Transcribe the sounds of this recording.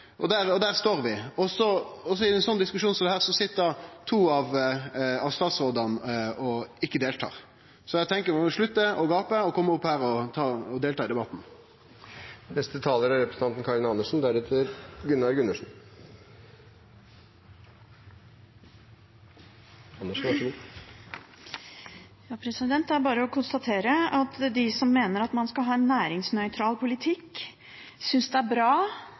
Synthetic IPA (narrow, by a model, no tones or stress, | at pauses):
ʔɔd̪æɾɔd̪æːʁst̪oːɾʋɪɔsɔɔs̬ɔɪɛnsɔnːd̪ɪskʉʂuːnsɔmd̪ɛhæːʁsɔsɪt̪ːəd̪ɑt̪ʰuːɑʋ | ɑʋst̪ɑːt̪sʁoːd̪ɑnɔɪkːəd̪eːlt̪ʰɑ̰ːʁ | sɔæt̪ʰɛŋkəɾmɔʂɭʉt̪ːəɔɡɑːpəɔkʰɔmːəɔpːhæːɾɔt̪ʰɑːɔd̪eːlt̪ɑːɪd̪ɛbɑt̪ːn̩ | nɛst̪ət̪ʰɑːləɾæɾɛpɾəsn̩ɑnt̪n̩kʰɑɾɪnɑnːəʂn̩d̪æɾɛt̪ʰəɾɡʉnɑɾɡʉnəʂn̩ | ɑnːəʂʋɑʂəɡuː | jɑːpʰɾɛsɪd̪ɛnt̪d̪ɛæɾbɑːɾəɔkʰʊnst̪ɑt̪ʰeːɾəɑt̪d̪ɪsɔmːeːnəɾɑt̪mɑnskɑlɦɑːɛnːæːɾɪŋsnœʏt̪ʰɾɑːlpʰʊlɪt̪ʰɪkː | sʏnsd̪ɛæɾbɾɑː